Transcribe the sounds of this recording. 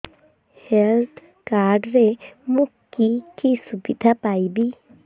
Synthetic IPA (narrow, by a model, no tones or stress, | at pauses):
helt̪ʰ | kaɾɖɾemukːikisubid̪ʱapajbi